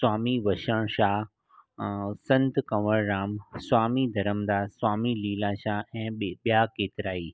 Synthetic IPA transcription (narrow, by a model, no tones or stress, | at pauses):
swaːmiʋɐʃəɽ̃ʃaːɦ | sɐ̃nt̪kɐʋəɽɾaːmswaːmid̪ʱɐɾəmd̪aːswaːmiliːlãːʃaːɛ̃ːɓijakeːt̪ɪɾaːiː